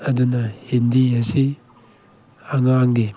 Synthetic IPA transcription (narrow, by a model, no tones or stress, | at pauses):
ɐd̪unahend̪iasi | aŋaŋɡe